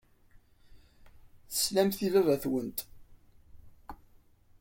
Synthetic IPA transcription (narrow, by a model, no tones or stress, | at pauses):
θə̥slæmθivævæθwənt̪